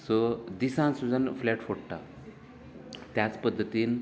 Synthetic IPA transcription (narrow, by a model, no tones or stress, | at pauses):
sod̪isãnsud͡zanflɛʈfoɽʈa̰ | t̪jat͡spəd̪ʱːət̪iːn